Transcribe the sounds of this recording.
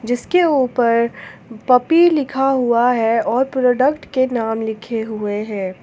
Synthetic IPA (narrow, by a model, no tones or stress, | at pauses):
d͡ʒɪskeuːpəɾpɐpiːɾlɪkʰaɦuaɦɛɔːɾpɾɔːɖəkʈkenaːmlɪkʰeɦueɦɛ̃ː